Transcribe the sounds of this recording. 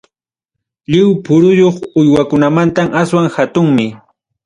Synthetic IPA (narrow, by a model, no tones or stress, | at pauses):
ʎɪwpʊɾʊjoχʊjwakʊnamant̪amaswaŋhat̪ʊŋmɪ